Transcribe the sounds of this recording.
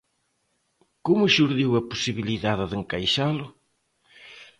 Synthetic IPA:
komʊʃuɾðiwɐposiβiliðaðɪðɪŋkajʃalʊ

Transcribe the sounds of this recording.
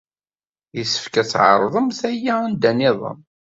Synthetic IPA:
jəsə̥fkæt͡sːʕə̰ɾˤðˤəmθæjːaænd̪ænɪðˤə̰m

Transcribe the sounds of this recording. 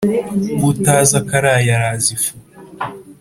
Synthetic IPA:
βutaːzakaɾaːjaɾaːzifu

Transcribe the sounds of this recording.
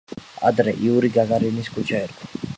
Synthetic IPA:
a̰d̪ɾɛʔiuɾiɡaɡaɾiniskʰʼut͡ʃʰaɛɾkʰḁ

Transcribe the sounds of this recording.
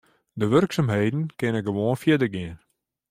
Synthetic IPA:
dəʋərksamɦejdn̩kɛnɛkɡəʋoənfiədərɡiən

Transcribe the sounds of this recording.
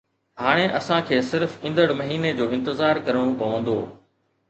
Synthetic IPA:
ɦaːɽ̃eʔɐsãkʰeːsɪɾfɪ̃nd̪əɽmɐɦiːned͡ʑoːɪ̃nt̪ɪzaːɾkɐɾəɽ̃õpɐʋə̃nd̪oː

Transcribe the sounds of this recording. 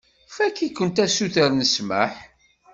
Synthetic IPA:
fækːikːənt̪æsuθəɾnəsmə̰ħ

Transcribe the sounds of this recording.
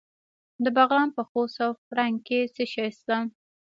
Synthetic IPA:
d̪əbaɣlɑnpəxosawfɽaŋket͡səʃɑjst̪a

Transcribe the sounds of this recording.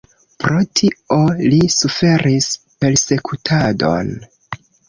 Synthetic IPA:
pɾʔo̞tʰio̞lisufe̞ɾʔispe̞ɾse̞kʰutʰado̞̰n

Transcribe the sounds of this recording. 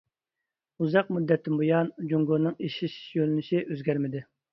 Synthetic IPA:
uzɑq̚mud̪ːɛt̪ʰːɪmbojɑnd͡ʒuŋɡoɾnɨŋeʃiʃi̥ʃjølynɪʃiʔøzɡʲæɾmɪd̪ɪ

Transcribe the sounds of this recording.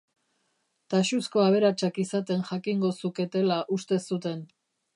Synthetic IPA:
t̪aʃusko̞aβ̞e̞ɾat͡ʃakisat̪e̞nʝakiŋɡo̞suke̞t̪e̞laʔust̪e̞sut̪e̞n

